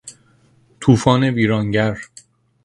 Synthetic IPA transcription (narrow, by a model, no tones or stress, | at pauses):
t̪ʰuːfɒːne̞biːɾɒːŋɟæɾ